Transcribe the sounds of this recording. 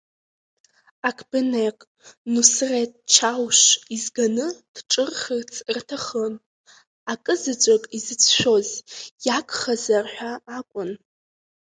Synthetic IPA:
akʰbɨnekʼ | nusret̚ʼt͡ʃʰawʃizɡanɨd̥ʈ͡ʂʼɨrχərt͡sʰrtʰaχən | akʼɨzɨt͡ʃʷʼakʼizɨt͡sʰʃʷᶣo̞zjakʷʰʼχazarħʷᶣaːkʷʼʊn

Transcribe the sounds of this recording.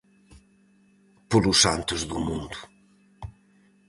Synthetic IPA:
polusa̰nt̪uzðumũnd̪u

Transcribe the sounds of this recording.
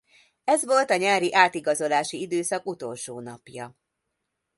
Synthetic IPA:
ɛzʋo̞lt̪ɒɲaːɾiʔaːt̪iɡɒzo̞laːʃiid̪øːsɒkut̪o̞lʃoːnɒpjɒ

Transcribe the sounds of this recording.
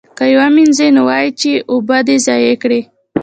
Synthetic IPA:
kajawaminzenowɑjit͡ʃeʔʊbad̪ezɑjekɽe

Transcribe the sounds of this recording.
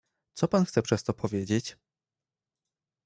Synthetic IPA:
t̪sɔpanxt̪sɛpʂɛst̪ɔpʰɔvʲjed͡ʑet͡ɕ

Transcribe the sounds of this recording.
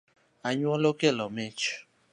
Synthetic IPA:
aɲuɔlokelɔmet͡ʃ

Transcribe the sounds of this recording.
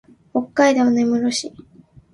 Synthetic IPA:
hokːaid̪e̞monemɯ̟ɾoɕi

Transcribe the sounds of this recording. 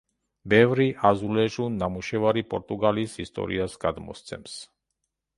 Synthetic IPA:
bɛvɾiʔazulɛʒunːamuʃɛvaɾipɔ̰ɾt̪uɡalishist̪ɔ̰ɾḭasɡad̪mɔ̰st̪sɛ̰ms

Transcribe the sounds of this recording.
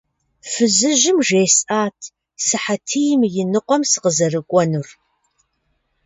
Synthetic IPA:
fɨzɨʒɪmʒeːsʔaːtʰ | sɨħatʰɨjmjɪnɨqʷɔmsɨ̥qəzɐrɨkʷʼɔnur

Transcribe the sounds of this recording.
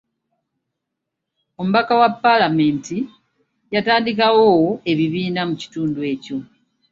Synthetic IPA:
o̞muβakawapːalame̞ːnti | jataːndikawoe̞βiβiːnamuci̥tuːndue̞ːco̞

